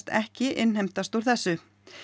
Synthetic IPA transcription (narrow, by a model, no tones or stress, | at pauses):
t̪ɛhcɪʔɪnhejm̥t̪ast̪uɾ̥θɛsːʏ